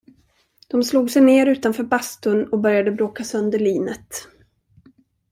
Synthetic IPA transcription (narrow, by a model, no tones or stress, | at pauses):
d̪̥ɔmsluːɡsɛjneːɾʉ̟ːt̪anfœːɾbast̪ʊnɔbœɾjad̪əbɾoːkasœnd̪əɭiːnət̪